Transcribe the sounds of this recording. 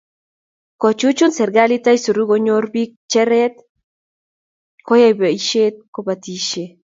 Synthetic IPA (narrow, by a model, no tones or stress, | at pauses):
kot͡ʃut͡ʃunsɛɾɡalit̪ajsuɾuɣoɲoɾbik̚t͡ʃɛɾɛt̪̚ | kojajbeiʃet̪̚kobat̪iʃe